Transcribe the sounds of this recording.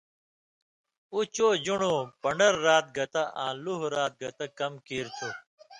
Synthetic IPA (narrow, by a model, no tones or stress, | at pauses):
ut͡ɕoːd͡ʑuɳoːpɐɳɖɐɾːaːt̪̚ɡɐt̪ɐʔã̰ːluɦɾaːt̪̚ɡɐt̪ɐkɐmkiːɾt̪ʰu